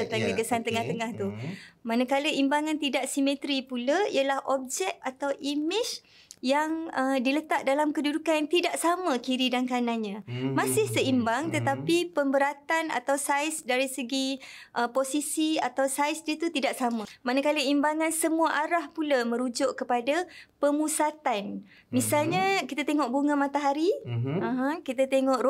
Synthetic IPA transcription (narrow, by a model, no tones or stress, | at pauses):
ət̪aŋɡəɡəsant̪əŋaht̪əŋaht̪umanəkaləʔimbaŋãnt̪idaʔsimẽt̪ɾipulaḭalahʔɔp̚d͡ʒɛk̚at̪awʔimɪd͡ʒ | jaŋədilət̪aʔ̚dalamkədudukanjaŋt̪idaʔsamə̃kiɾidankanaɲãmasɪhsəimbaŋt̪ət̪apipəmbəɾat̪ana̰t̪awsajsdaɾisəɡiʔəposisiat̪awsajsdit̪ut̪idaʔsamãmanakaləimbaŋãnsəmuaʔaɾahpulamə̃ɾud͡ʒʊʔkəpadapəmusat̪an | misalɲakit̪at̪eŋɔʔ̚buŋãmat̪aɦaɾiãɦãkit̪at̪eŋɔʔɾ